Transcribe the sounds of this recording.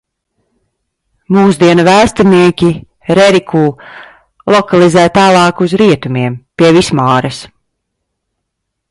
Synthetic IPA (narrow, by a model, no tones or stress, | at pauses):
muːzd̪iɛnavæːst̪aniɛkʲi | ɾɛɾikʰuː | lˠɔkalˠizæːt̪aːlˠɑːkuzɾiɛt̪umiɛmpiɛvismaːɾɐs